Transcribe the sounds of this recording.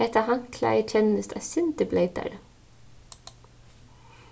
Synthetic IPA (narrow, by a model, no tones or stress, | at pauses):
ɛt̪ɑhɑŋkʰlæ̰ɪt͡ʃʰɛnəst̪ʰæ̰ːsʏnt̪əbleɪd̪æ̰ɽ